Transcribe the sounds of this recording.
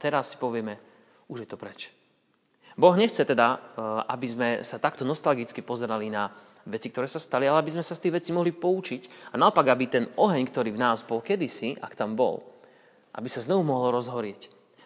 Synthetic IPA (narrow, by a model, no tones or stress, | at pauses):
t̪ɛɾasːi̥pɔʋɪɛmɛ | uʒjɛt̪ɔpɾɛt͡ʃ | bɔɣɲɛxt͡sɛt̪ɛd̪aʔabizmɛsat̪akt̪ɔnɔst̪alɡit͡skipɔzɛɾalina | ʋɛt͡sikt̪ɔɾɛːsast̪alialɛabizmɛsast̪iːɣʋɛt͡simɔɦlipɔut͡ʃicanaɔpaɡabit̪ɛnɔɦɛɲkt̪ɔɾiːvnaːzbɔlkɛd̪isiʔa̰kt̪ambɔ̰l | ʔa̰bisaznɔʋumɔɦɔlɾɔzɦɔɾɪɛc